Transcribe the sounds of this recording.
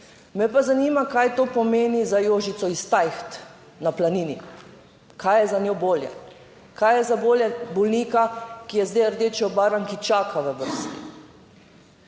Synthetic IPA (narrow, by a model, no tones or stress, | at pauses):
mɛpazanimakajt̪oːpɔmeːnizajoːʒit̪sɔist̪ajxt̪ | naplaniːni | kajjɛzanjoːboːljɛ̰ | kajjɛzaboːljɛbɔlniːkakijɛzd̪ejəɾd̪et͡ʃjɔbaːɾaŋkit͡ʃaːkʰaʋəʋəɾst̪ḭ